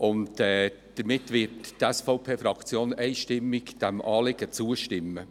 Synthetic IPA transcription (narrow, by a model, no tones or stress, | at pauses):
ʔʊntɛː | d̥əɾmɪtːʋɪttɛsfɔʊpʰeːfɾɑkt͡sjoːnɛɪʃtɪmːɪkd̥æmʔɑːlɪɡ̥ət͡suːəʃtɪmːə